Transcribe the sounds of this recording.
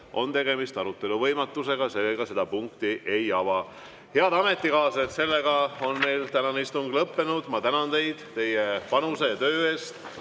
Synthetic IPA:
ʔo̞̰nt̪e̞ɡ̥e̞mist̪ɑɾut̪ːˑe̞luvɤjmɑt̪ːˑuse̞ɡɑse̞lːeɡ̥ɑse̞d̪ɑpuŋk̚t̪iʔe̞jɑvɑ | he̞ɑd̪ɑme̞t̪ːˑikɑːset̪se̞lːeɡɑo̞nme̞jlt̪ænɑnist̪uŋɡlɤpːe̞nud̪̥mɑt̪ænɑnt̪e̞jd̪̥t̪e̞jepɑnusejɑt̪ø̞ːe̞ːst̪

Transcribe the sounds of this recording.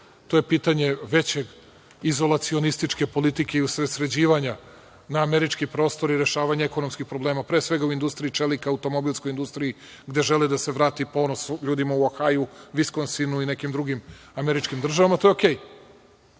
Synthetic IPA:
t̪o̞je̞piːt̪aɲe̞ʋet͡ɕeɡ | izo̞lˠat̪sio̞nist̪it͡ʂke̞po̞lit̪ike̞iusɾesɾe̞d͡ʑiːʋaɲa | naːmeɾit͡ʃkipɾo̞ːst̪o̞ɾiɾe̞ʃaːʋaɲeeko̞nomskixpɾobleːmapɾeːsʋe̞ɡauind̪ust̪ɾijit͡ʃelikaaut̪o̞mo̞bilˠsko̞jind̪ust̪ɾiji | ɡd̪e̞ʒe̞lid̪ase̞ʋɾaːt̪ipo̞ːnosʎuːd̪imauaxajuʋiskonsinuine̞kimd̪ɾuɡimameɾit͡ʃkimd̪r̩ʒaʋamat̪o̞joke̞ːj

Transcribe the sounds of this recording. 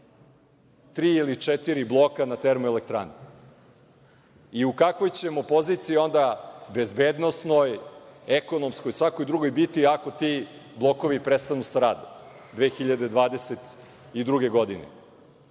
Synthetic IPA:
t̪ɾiːilit͡ʂɛt̪iɾiblˠokanat̪eɾmuelekt̪ɾa̰ːne | iukakʋo̞jt͡ɕe̞mo̞po̞zit̪siio̞nd̪abe̞zbeːd̪no̞sno̞jeko̞no̞mskojsʋakojd̪ɾuɡo̞jbit̪iako̞t̪iblˠo̞ko̞ʋipɾest̪anusaɾaːd̪om | d̪ʋeːxiʎad̪ed̪ʋaːd̪e̞set̪ | id̪ɾuɡe̞ɡo̞d̪inḛ

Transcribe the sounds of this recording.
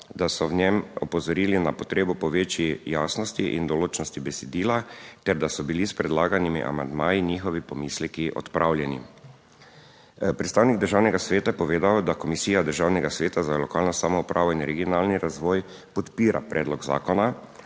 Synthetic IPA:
d̪asɔwnɛmɔpɔzɔɾiːlinapɔt̪ɾeːbɔpɔʋeːt͡ʃijaːsnɔst̪iʔḭnd̪ɔloːt͡ʃnɔst̪ibɛsɛd̪iːlat̪ɛɾd̪asɔbilispɾɛd̪laːɡanimḭʔa̰mand̪maːjiniːxɔʋipɔmiːslɛkiʔɔ̰t̪pɾʔaːwljɛni | pɾɛt̪st̪aːwniɡ̚d̪əɾʒaːwnɛɡasʋeːt̪apɔʋeːd̪awd̪akɔmisiːjad̪əɾʒaːwnɛɡasʋeːt̪azalɔkaːlnɔsaːmɔupɾʔaːʋɔinɾɛɡiɔnaːlniɾazʋɔːj | pɔt̪piːɾa̰pɾʔɛːd̪lɔɡza̰ːkɔna

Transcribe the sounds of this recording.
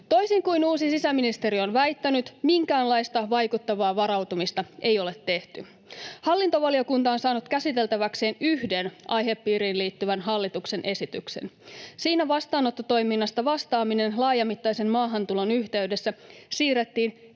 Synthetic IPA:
t̪o̞jsiŋkujnuːsisisæminist̪e̞ɾio̞nʋæjt̪ːænyt̪miŋkæːnlɑjst̪ɑʋɑjkut̪ːɑʋɑːʋɑɾɑwt̪umist̪ɑe̞jo̞le̞t̪ːe̞ht̪y | hɑlːint̪o̞ʋɑlio̞kunt̪ɑonsɑːnut̪kæsit̪e̞lt̪æʋækse̞ːnyɦde̞nʔɑjɦe̞pːiːɾiːnliːt̪ːyʋænɦɑlːit̪ukse̞nʔe̞sit̪ykse̞̰n | siːnæʋɑst̪ɑːnot̪ːot̪o̞jminːɑst̪ɑʋɑst̪ɑːmine̞nlɑːjɑmit̪ːɑjse̞mmɑːɦɑnt̪ulo̞nyçt̪e̞yɥde̞sːæsiːret̪ːiːn

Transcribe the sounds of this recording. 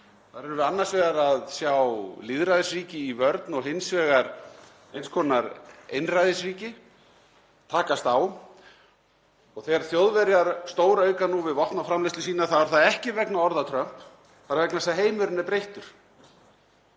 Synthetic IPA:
θaɾɛɾɾʏanːaɾ̥svɛːɣaɾaðsjawliðɾajðɪsviːcɪivœɾt̪nɔɣɦɪnsvɛːɣaɾ | ejnskʰɔːnaɾejnrajðɪsɾiːcɪ | t̪ʰaːkast̪aw | ɔɣθɛɣaɾ̥θjowðvɛɾjaɾst̪oːwɾaœːɥkanuvɪðvɔht̪nawfɾamlɪjst̪ʏs̬iːnaθavaɾ̥θaðɛhcɪvɛknaɔɾðat̪ʰɾœm̥p | θaɾvɛknasɛaɦeːjmʏɾʏnapɾejht̪ʏɾ̥

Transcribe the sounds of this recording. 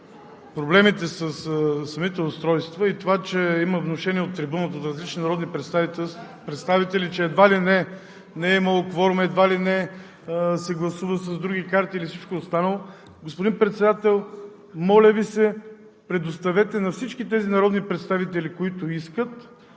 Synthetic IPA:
pɾoblɛmit̪ɛsəssːɐmit̪ɛʊst̪ɾɔjst̪vəit̪ovat͡ʃɛiməvnoʃɛniɛot̪ːɾibunət̪oːt̪ɾɐzlit͡ʃninɐɾɔd̪nipɾɛt̪st̪ai | pɾɛt̪st̪avit̪ɛlit͡ʃɛːd̪valinɛ | nɛiməlˠokvɔɾomɛd̪valinɛ | sɛɡlˠɐsuvəsɐzd̪ɾuɡikaɾt̪iːlifsit͡ʃkoːst̪anəlˠo | ɡospʊd̪inpɾɛt̪sɛd̪at̪ɛlˠ | mɔlʲəvisɛ | pɾɛd̪ost̪ɐvɛt̪ɛnɐfsit͡ʃkit̪ɛzinɐɾɔd̪nipɾɛt̪st̪avit̪ɛlikoit̪ʊiskət̪

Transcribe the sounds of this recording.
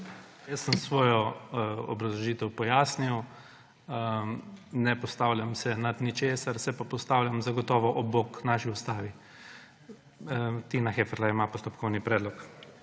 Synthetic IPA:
jəsːəmsʋɔːjɔɔ̰bɾɐzlɔʒiːt̪ɛwpɔjaːsniw | nɛpɔst̪awlʲjʲamsɛnat̪nit͡ʃeːsaɾsɛpapɔst̪aːwljamzaɡɔt̪ɔːʋɔʔɔboknaːʃiust̪aːʋi | t̪inaxeːfɛɾlaimapɔst̪ɔpkʰɔwnipɾɛːd̪lɔk

